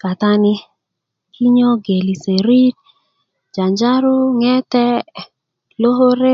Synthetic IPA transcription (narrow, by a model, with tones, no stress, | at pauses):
ka˨ta˦ni˦ | kʰi˦ɲo˦ɡe˨li˨se˨ɾi˦t̚ | d͡ʒa˨ɲd͡ʒa˦ɾʊ˦ŋɛ˦tɛ˦ | lo˦ɦo˦ɾe˦